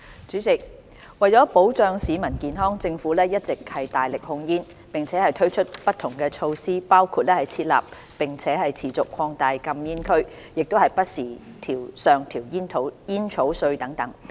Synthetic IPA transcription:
t͡ʃyː˨˥t͡sɪ˨k̚ | wɐ˨jt͡sɔː˨˥po˨˥wt͡sœː˨˧ŋsiː˨˧mɐ˨˩nkiː˨nɦɔː˥ŋt͡sɪ˧ŋfuː˨˥lɛː˥jɐ˥t̚t͡sɪ˨k̚hɐ˨jt̪aː˨jlɪ˨k̚hʊ˧ŋjiː˥n | pɪ˨ŋt͡sʰɛː˨˥hɐ˨jt̪ʰɵ˥ɥt͡ʃʰɵ˥t̚pɐ˥t̪ʰʊ˨˩ŋkɛː˧t͡ʃʰo˧wsiː˥paː˥wkʰuː˧t̚lɛː˥hɐ˨˩jt͡sʰiː˧t̚la̰ː˨p̚ | pɪ˨˩ŋt͡sʰɛː˨˥ɦɐ˨jt͡sʰiː˨˩t͡sʊ˨kʰːɔː˧ŋt̪aː˧jkɐ˧mjiː˥nkʰɵ˥ɥ | jɪ˨k̚t̪o˥whɐ˨˩jpɐ˥t̚siː˨˩t̪ʰiː˨˩wsœː˨ŋt̪ʰiː˨˩wjiː˥nt̪ʰo˨˥wjiː˥nt͡ʃʰo˨˥wsɵ˧ɥt̪ɐ˨˥ŋt̪ɐ˨˥ŋ

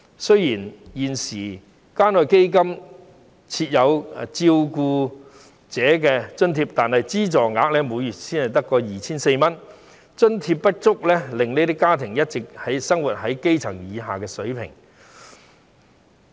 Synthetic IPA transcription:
sɵ˥ɥjiː˨˩njiː˨nsiː˨˩ | kaː˥nɔː˨jke˥jkɐ˥m | t͡sʰiː˧t̚jɐ˨˧wt͡siː˧wkuː˧ | t͡sɛː˨˥kɛː˧t͡sɵ˥nt̪ʰiː˧p̚t̪aː˨nhɐ˨jt͡siː˥t͡sɔː˨˩ŋaː˨˥k̚lɛː˥muː˨˧jjyː˨˩t̚siː˥nhɐ˨˩jt̪ɐ˥kːɔː˧jiː˨˩t͡sʰiː˥nse˧jmɐ˥n | t͡ʃɵ˥nt̪ʰi˧pːɐ˥t̚t͡sʊ˥k̚lɛː˥lɪ˨ŋne˥t̪i˥kːaː˥t̪ʰɪ˨˩ŋjɐ˥t̚t͡sɪ˨k̚hɐ˨˥jsɐ˥ŋwu˨˩t̚ɦɐ˨˥jke˥jt͡sʰɐ˨˩ŋjiː˨˧ɦaː˨˩kɛː˧sɵ˨˥ɥpʰɪ̰˨˩ŋ

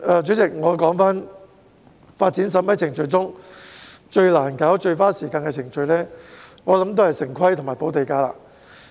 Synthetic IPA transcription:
ʔaː˨˧t͡ʃyː˨˥t͡sɪ˨k̚ŋɔː˨˧kɔː˨˥ŋfaː˥n | faː˧t̚t͡siː˨˥ns̬ɐ˨˥mɐ˧˥jt͡sʰɪ˨˩ŋt͡ʃɵ˧ɥt͡sʊ˥ŋ | t͡ʃɵ˧ɥlaː˨˩nkaː˨˥wt͡ʃɵ˧ɥfaː˥siː˨˩kaː˧nkɛː˧t͡sʰɪ˨˩ŋt͡ʃɵ˧ɥlɛː˥ŋɔː˨˧lɐ˨˥mt̪o˥whɐ˨jsɪ˨˩ŋkʰɐ˥jt̪ʰʊ˨˩ŋmaː˨˩jpo˨˥wt̪e˨˧jkaː˧˥la̰ː˧

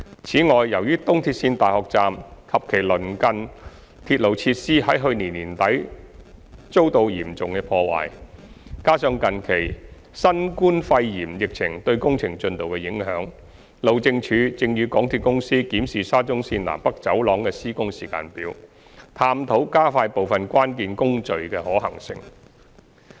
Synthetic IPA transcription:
t͡sʰiː˨˥ŋɔː˨jːɐ˨˩wjyː˥t̪ʊ˥ŋt̪ʰiː˧t̚siː˧nt̪aː˨jhɔː˨k̚t͡saː˨mkʰɐ˨p̚kʰe˨˩jlɵ˨˩nkɐ˧n | t̪ʰiː˧t̚lo˨˩wt͡sʰiː˧t̚siː˥hɐ˨˥jɦɵ˧ɥniː˨˩nːiː˨˩nt̪ɐ˨˥j | t͡so˥wt̪o˧wjiː˨˩mt͡sʊ˨ŋkɛ˧pʰɔː˧wa̰ː˨jkaː˥sœː˧ŋkɐ˨nkʰe˨˩j | sɐ˥nkuː˥nfɐ˧jjiː˨˩mjɪ˨k̚t͡sʰɪ˨˩ŋt̪ɵ˧ɥkʊ˥ŋt͡sʰɪ˨˩ŋt͡ʃɵ˧nt̪o˨wkɛ˧jɪ˨˥ŋɦœː˨˥ŋ | lo˨˩wt͡sɪ˧ŋt͡ʃʰyː˨˧˥t͡sɪ˧ŋjyː˧kɔː˨˥ŋt̪ʰiː˨˧t̚kʊ˥ŋsiː˥kiː˨˥msiː˨˩saː˥t͡sʊ˥ŋsiː˧nla̰ː˨˩mpɐ˥k̚t͡sɐ˨˥wlɔː˨˥ŋkɛː˧siː˥kʊ˥ŋsiː˨˩ka̰ː˧npiː˨˥w | t̪ʰaː˧mt̪ʰo˨˥wkaː˥faː˧jpo˨wfɐ˨nkʷaː˥nkiː˧nkʊ˥ŋt͡sɵ˨ɥkɛː˧hɔː˨˥hɐ˨˩ŋsɪ̰˧˥ŋ

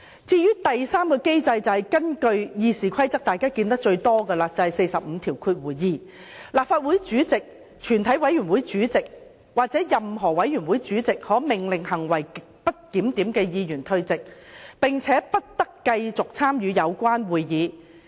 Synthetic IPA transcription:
t͡siː˧jyː˥t̪ɐ˨jsaː˥mkɔː˧ke˥jt͡sɐ˧jt͡sɐ˨hɐ˨˩jkɐ˥nkɵ˧ɥjiː˧siː˨kʰɐ˥jt͡sɐ˥k̚t̪aː˨jkaː˥kiː˧nt̪ɐ˥k̚t͡ʃɵ˧ɥt̪ɔː˥ɡɐː˧laː˧t͡sɐ˨whɐ˨˩jse˧jsɐ˨p̚m̩˨˧t̪ʰiː˨˩wkʰuː˧t̚wuː˨˩jjiː˨˧ | laː˨p̚faː˧t̚wu˨˥jt͡ʃyː˨˥t͡sɪ˨k̚ | t͡ʃʰyː˨˩nt̪ʰɐ˨˥jwɐ˨˥jɥy˨˩nwuː˨˥jt͡syː˨˥t͡sɪ˨k̚ | waː˨˩k̚t͡sɛː˨˥jɐ˨mɦɔː˨˩wɐ˨˥jyː˨˩nwu˨˥jt͡syː˨˥t͡sɪ˨k̚hɔː˨˥mɪ˨˩ŋlɪ˨ŋhɐ˨˩ŋwɐ˨˩j | pɐ˥t̚kiː˨˥mt̪iː˨˥mkɛː˧jiː˧jyː˨˩nt̪ʰɵ˧ɥt͡sɪ˨k̚pɪ˨ŋt͡sʰɛː˨˦˥pɐ˥t̚t̪ɐ˥kːɐ˧jt͡sʊ˨k̚t͡sʰaː˥mjyː˨˧jɐ˨˧wkʷaː˥nwuː˨jjiː˨˧

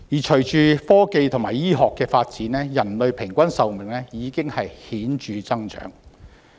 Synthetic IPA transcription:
jiː˨˩t͡ʃʰɵ˨˩ɥt͡ʃyː˨fɔː˥ke˨˧jt̪ʰʊ˨˩ŋmaː˨˩jiː˥ɦɔː˨kːɛː˧faː˧t̚t͡siː˨˥nɛː˥jɐ˨˩nlɵ˨ɥpʰɪ˨˩ŋkʷɐ˥nsɐ˨wmɪ˨˩ŋlɛː˥jiː˨˧kɪ˥ŋhɐ˨jhiː˨˥nt͡ʃyː˨t͡sɐ˥ŋt͡ʃœ̰ː˨˥ŋ

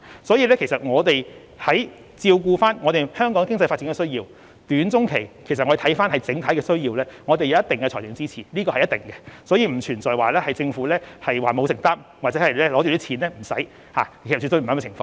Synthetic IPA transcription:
sɔː˨˥jiː˧lɛː˥kʰe˨˩jsɐ˨t̚ŋɔː˨˧t̪e˨j | hɐ˨˥j | t͡siː˧wk̬uː˧faː˥nŋɔː˨˧t̪e˨˩jhœː˥ŋkɔː˨˥ŋɛ˨kɪ˥ŋt͡sɐ˧jfaː˧tt͡siː˨˥ŋkɛ˧sɵ˥jiː˧w | t̪yː˨˥nt͡sʊ˥ŋkʰe˨˩jkʰe˨˩sɐ˩ɔ˨˧e˨˩t̪ʰjfaː˥nhɐ˨jt͡sɪ˨˥ŋt̪ʰɐ˨˥jkɛː˧sɵ˥ɥjiː˧wlɛː˥ŋɔː˨˧t̪e˨ja˧˦jɐ˥t̪ɪ˨˩ŋkɛ˧˨˩jɪː˨˥ŋt͡siː˥t͡sʰiː˨˩liː˥kɔ˧hɐ˨jːɐt̪ɪ˨˩ŋkɛ˧sɔː˨˥jiː˧m̩˨˩t͡ʃʰyː˨˩nt͡sɔː˨jwaː˨lɛː˥hɐ˨jt͡sɪ˧ŋfuː˨˥lɛː˥hɐ˨jwaː˨˩mo˨˧wsɪ˨˩ŋt̪aː˥mwa˨t͡sɛ˨˥hɐ˨jɛː˥lɔː˨˥ty˨wt̪iː˥t͡ɕʰiː˨˥nlɛː˥m̩˨˩sɐ̰˨˥j | haː˨e˨˩s̚y˨˧t̪o˧m̩ː˨˥˧t͡sʰɪ˨˩ŋfɔ̰ː˧ŋ

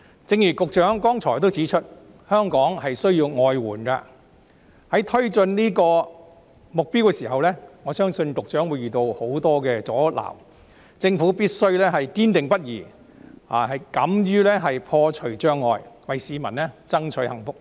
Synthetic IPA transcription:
t͡sɪ˨˧ŋjyː˨˩kʊ˨k̚t͡ʃœː˨˥ŋkɔː˥ŋt͡ʃʰɔː˨˩jt̪̬o˥wt͡siː˨˥t͡ʃʰɵ˥t̚ | hœː˥ŋkɔː˨˥ŋhɐ˨jsɵ˥ɥjiː˧wŋɔː˧jwuː˨˩nka̰˧ | hɐ˨˥jt̪ʰɵ˥ɥt͡ʃɵ˧nniː˥kɔː˧ | mʊ˨k̚piː˥wkɛː˧siː˨˩ɦɐ˨wlɛː˥ŋɔː˨˧sœː˥ŋsɵ˧nkʊ˨k̚t͡ʃœː˨˥ŋwu˨˧jyː˨˩t̪o˧who˨˥wt̪ɔː˥kɛː˧t͡sɔː˨˥la̰ː˨˩w | t͡sɪ˧ŋfuː˨˥piː˥t̚sɵ˥ɥlɛː˥ɦɐ˨jkiː˥nt̪ɪ˨ŋpɐ˥t̚jiː˨˩ | ha̰ː˨˩hɐ˨jkɐ˨˥mjyː˥lɛː˥ɦɐ˨jpʰɔː˧t͡ʃʰɵ˨˩ɥt͡ʃœː˥ŋːɔː˧jwɐ˨jsiː˨˧mɐ̰˨˩nlɛ˥t͡sɐ˥ŋt͡ʃʰɵ˨˧˥hɐ˨˩ŋfʊ˥k̚

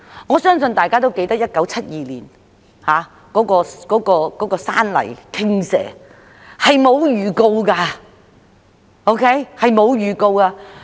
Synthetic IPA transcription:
ŋɔː˨˧sœː˥ŋsɵ˧nt̪aː˨jkaː˥t̪o˥wke˧jt̪ɐ˥k̚jɐ˥t̚kɐ˨˥wt͡sʰɐ˥t̚jiː˨lḭː˨˩n | haː˨˧ | kɔː˨˥kɔː˧kɔː˨˥kɔː˧kɔː˨˥kɔː˧saː˥nlɐ̰˨˩jkʰɪ˥ŋsɛ̰ː˨˩ | hɐ˨jmo˨˧wjyː˨˩ko˧wkaː˧ | o˥wkʰe˦˥jhɐ˨jmo˨˧wjyː˨˩ko˧wkaː˧

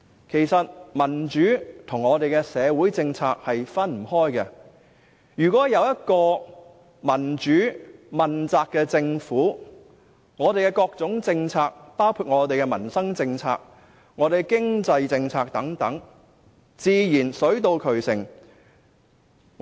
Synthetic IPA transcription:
kʰe˨˩jsɐ˨t̚mɐ˨˩nt͡ʃyː˨˥t̪ʰʊ˨˩ŋːɔː˨˧t̪e˨jkɛ˧sɛː˨˧wuː˨˥jt͡sɪ˧ŋt͡sʰaː˧k̚hɐ˨jfɐ˥nm̩˨˩hɔː˥jkɛ˧ | jyː˨˩kʷɔː˨˥jɐ˨˧wjɐ˥t̚kɔː˧ | mɐ˨˩nt͡ʃyː˨˥mɐ˨˩nt͡saː˧kːɛː˧t͡sɪ˧ŋfuː˨˥ | ŋɔː˨˧t̪e˨jkɛː˧kɔː˧k̚t͡sʊ˨˥ŋt͡sɪ˧ŋt͡sʰaː˧k̚paː˥wkʰuː˧t̚ŋɔː˨˧t̪e˨jkɛ˧mɐ˨˩nsɐ˥ŋt͡sɪ˧ŋt͡sʰa̰ː˧k̚ | ŋɔː˨˧d̪e˨jkɪ˥ŋt͡sɐ˧jt͡sɪ˧ŋt͡sʰaː˧k̚t̪ɐ˨˥ŋt̪ɐ˨˥ŋ | t͡siː˨˧jiː˨˩nsɵ˨˥ɥt̪o˧wkʰɵ˨˩ɥsɪ̰˨˩ŋ

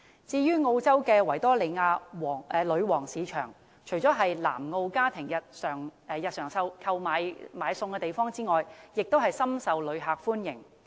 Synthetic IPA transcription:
t͡siː˧jyː˥ŋo˧wt͡sɐ˥wkɛː˧wɐ˨˩jt̪ɔː˥le˨˧jŋaː˧wːɛ˨˧lɵ˨˧ɥwɔː˨˩ŋsiː˨˧t͡ʃʰœ̰ː˨˩ŋ | t͡ʃʰɵ˨˩ɥt͡sɔː˨˥ɦɐ˨jla̰ː˨˩mŋo˧wkaː˥t̪ʰɪ˨˩ŋjɐ˨t̚sœː˨˩ŋː˧jɐ˨t̚sœː˨˩ŋsɐ˧wkʰɐ˧wmaː˨˧˥jmaː˨˧˥jsʊ˧ŋkɛː˧t̪e˨jfɔː˥ŋt͡siː˥ŋɔː˨jjɪ˨k̚t̪o˥ɦɐ˨jsɐ˥msɐ˨˧wlɵ˨˧ɥɦaː˨k̚fuː˥njɪ˨˩ŋ

